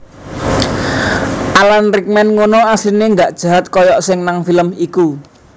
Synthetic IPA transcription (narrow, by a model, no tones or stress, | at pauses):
ʔalanrik̚mɛnŋonɔasineŋɡaʔd̥ʒ̥a̤ɦat̪̚kɔjɔʔsɪŋnaŋfiləmiku